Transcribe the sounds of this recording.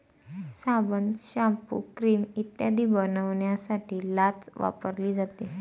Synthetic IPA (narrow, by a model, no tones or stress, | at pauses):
sabənɕampṵkɾiːmit̪jad̪iːbənəʋɳjasaʈiːlat͡sʋa̰pəɾliːd͡zat̪e